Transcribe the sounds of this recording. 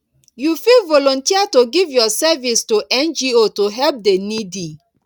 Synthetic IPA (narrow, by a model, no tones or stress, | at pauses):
jufilvɔlɔ̃ntiatoɡivjɔsɛvistuʔɛ̃nd͡ʒiotoɦɛlp̚denidi